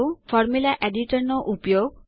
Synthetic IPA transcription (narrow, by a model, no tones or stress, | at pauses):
wfʰɔɾmulaʔeɖiʈɔɾnɔʔupɔjoɡ